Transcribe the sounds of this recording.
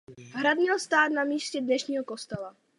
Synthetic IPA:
ɦɾad̪ɲɛlst̪aːt̪namiːscɛdnɛʃɲiːɦoko̞st̪ɛla

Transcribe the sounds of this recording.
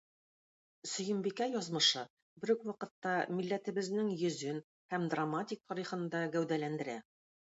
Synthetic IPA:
sɵ̆jɘ̆mbikæjɒzmɤ̆ʃɤ | bɘ̆ɾɵkwɑqɤ̆t̪ːɑmilːæt̪ɘ̆βɘ̆znɘŋjɵ̆zɵn | hæmd̪ramatʲik̚t̪ʰɒɾiχɤ̆nd̪ɑɡæwd̪ælænd̪ɘ̆ɾæ

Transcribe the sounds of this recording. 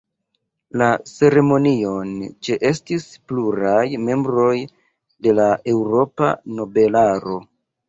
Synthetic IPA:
lase̞ɾe̞mo̞nio̞nt͡ʃe̞ʔe̞stispluɾajme̞mbɾo̞j | de̞lae̞wɾo̞pa̰no̞be̞laɾo̞

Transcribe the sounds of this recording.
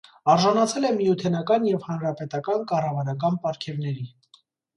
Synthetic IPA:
ɑɾʒɑnɑt͡sʰɛlɛmjut̪ʰɛnɑkɑnjɛvhɑnɾɑpɛt̪ɑkɑnkɑrɑvɑɾɑkɑnpɑɾkʰɛvnɛɾi

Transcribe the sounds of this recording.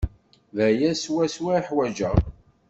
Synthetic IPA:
ðæjæswæswæiħwæd͡ʒə

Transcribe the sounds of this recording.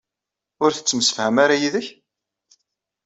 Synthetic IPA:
ʊɾθət͡sːəməsə̥fhəmaɾajiðəç

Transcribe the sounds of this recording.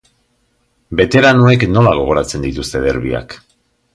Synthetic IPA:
be̞t̪e̞ɾanue̞kno̞laɣ̞o̞ɣ̞o̞ɾat͡se̞nd̪it̪ust̪e̞ðe̞ɾβḭa̰k

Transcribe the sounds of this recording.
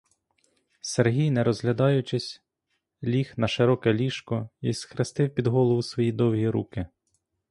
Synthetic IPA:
serɦʲijnɛɾɔzɦlʲɐd̪ɑjʊt͡ʃɪsʲ | lʲixnɐʃɪɾɔkɛlʲiʃkɔisxɾest̪ɪwpʲid̪ɦɔlˠɔʋʊsʋɔjid̪ɔwɦʲiɾukɪ

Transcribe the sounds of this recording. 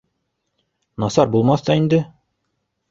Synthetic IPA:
nɑsɑɾbulˠmɑθt̪ɑind̪ɘ

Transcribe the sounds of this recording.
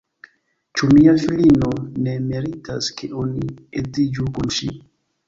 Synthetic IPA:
t͡ʃumiafilino̞ne̞meɾitaskʰeʔoniezid͡ʒukunʃi

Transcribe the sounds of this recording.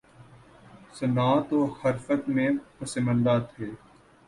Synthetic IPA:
sənaːt̪oːhəɾfət̪mẽːpəsɪmə̃nd̪aːt̪ʰeː

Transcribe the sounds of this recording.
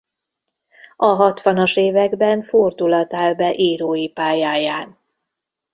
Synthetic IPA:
ɒɦɒt̪ʋɒnoʃeːvɛɡbɛɱford̪ulɒt̪aːlbɛʔiːɾoːjipaːjaːjaːn

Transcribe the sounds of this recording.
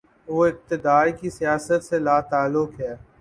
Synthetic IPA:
ʋoːɪk̚t̪ɪd̪aːɾkisijaːsət̪selaːt̪aːlːʊkɦɛː

